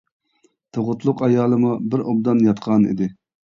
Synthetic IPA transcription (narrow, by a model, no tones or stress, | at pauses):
t̪ʰoʁʊt̪lˠʊqɑjɑːlˠɨmubɪɾʔob̚d̪ɑnjɑt̪qʰɑnḭd̪ɪ